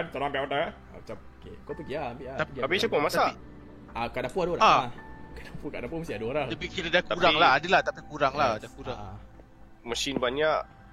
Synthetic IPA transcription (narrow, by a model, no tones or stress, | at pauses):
ant̪oɾaampiʔapat̪aka | a̰mat͡ʃamokḛkapəɡiaampiʔat̪aapit͡ʃapomasaai | ʔakaʔdapuadoɾaaakadapukadapuməsiadoɾad̪apikiladakuɾaŋlaadəlaht̪apikuɾaŋladakuɾaa | masinbaɲaʔ